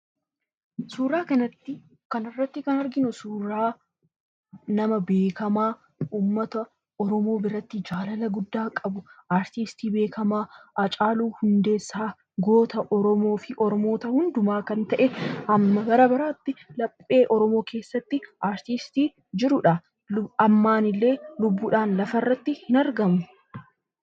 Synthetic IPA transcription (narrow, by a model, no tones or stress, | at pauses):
suːɾaːkɐnɐt̪ːɪ | kɐnɪrːɐt̪ːɪkɐnɐɾɡɪnʊsuːɾaː | nɐmɐbe̞ːkɐmaː | uːmːɐt̪ɐ | ɔɾɔmo̞ːbɪɾɐt̪ːɪd͡ʒaːlɐlɐɡʊd̪ːaːkʼɐbʊʔaːɾt̪ist̪iːbe̞ːkʰɐmaːʔɐt͡ʃʼaːluːhʊnd̪e̞ːsːaː | ɡo̞ːt̪ɐʔɔɾɔmo̞ːfɪʔɔɾɔmo̞ːt̪ɐhʊnd̪ʊmaːkɐnt̪ɐʔɛɐmːɐbɐɾɐbɐɾaːt̪ːɪlɐpʼːe̞ːʔɔɾɔmo̞ːke̞ːsːɐt̪ːɪʔaːɾt̪ist̪iː | d͡ʒɪɾʊᶑɐ | ɐmːaːnɪlːe̞ːlʊbːʊːᶑaːnlɐfɐrːɐt̪ːɪhɪnɐɾɡɐmʊ